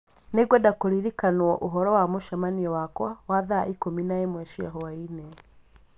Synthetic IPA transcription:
neɡwɛdakoɾiɾikanwɔʔuɦɔɾɔwamoʃamaniɔwakwawaða̰ʔikominaemwɛʃia̰ɦɔwainɛ

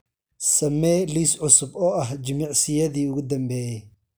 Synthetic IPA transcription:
sɐmːɛliːsʕʊsʊbɔʔɐɦd͡ʒɪmɪʕsɪjɐd̪iʊɣʊd̪ɐmbɛ

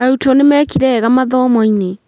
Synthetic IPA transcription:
aɾutɔnemɛːkiɾɛːɣamaðɔːmɔine

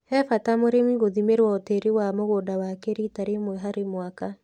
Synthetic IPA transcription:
hɛfatamoɾemiɣoðimeɾwaoteɾewamoɣoːdawakeɾitaɾemwɛɦaɾemwaka

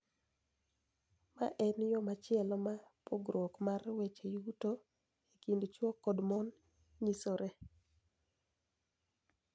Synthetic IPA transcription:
ma̰ʔɛnjɔmat͡ʃɪɛlɔmapoɡɾokmarwet͡ʃejuto | ekindt͡ʃwɔkːɔdmɔn | ɲisoɾʔe

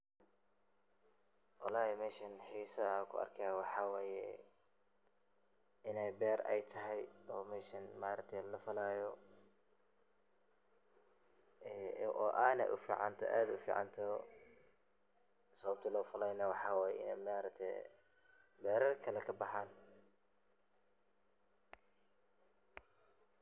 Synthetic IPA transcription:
wʔɑlaːɛmɛːʃɐnħiːsɐkʰʊ̰ɐ̰rkʰɐjawɑħɑːwɛːjɛ̰ | ʔɪnɛjbɛːrɛ̰jt̪ʰɐɦɛjɔːmɛːʃɐnmaːɾɐk̚t̪ʰɛlɐfɐlaːjɔ | ɛʔɔːʔaːnɛ̰ʔʊfḭːʕɑ̰nt̪ʰɔ̰ʔaːd̪ʊfḭːʕɑ̰nt̪ʰɐ | sɐβɐb̚t̪ʰɐlɔːfɐlɛjnɐwɑħɑːwɛːjɛɪ̰nɛ̰jmaːɾɐkt̪ʰɛ̰ | bɛːɾɐrkʰɐlɛkʰɐbɑħɑːn

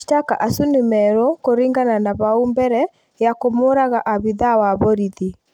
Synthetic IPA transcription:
takaʔasunemɛɾɔkoɾiŋɡananaβaumbɛɾɛ | jakomoɾaɣaʔaβiðawaβoɾiði

